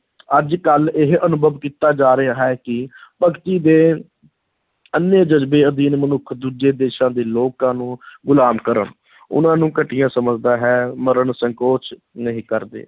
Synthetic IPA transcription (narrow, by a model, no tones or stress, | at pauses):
əd͡ʒkəlɪɦənʊbəʋkiːt̪aːd͡ʒaːɾeaːɦɛːkɪpəkt̪iːd̪eː | ənːeːd͡ʒəzbeːəd̪iːnmənʊkʰd̪uːd͡ʒeːd̪eːʃãːd̪eːloːkãːnũːɡʊlaːmkəɾə̰ɳ | ʊ̰nãːnũːkəʈɪjãːsəməd͡ʒd̪aːɦɛːməɾəɳsəŋkoːt͡ʃ | nəɦĩːkəɾd̪ḛː